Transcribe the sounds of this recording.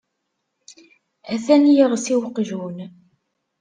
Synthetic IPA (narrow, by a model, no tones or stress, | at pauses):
æθænjəʁsiwəqːʒun